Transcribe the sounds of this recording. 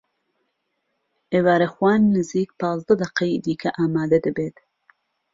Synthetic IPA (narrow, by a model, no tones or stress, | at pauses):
ʔewaːɾexwɑːnːɨziːk̚pɑːzd̪ɐd̪ɐqeid̪iːkʰɐʔaːmaːd̪ɐd̪ɨbeːt̪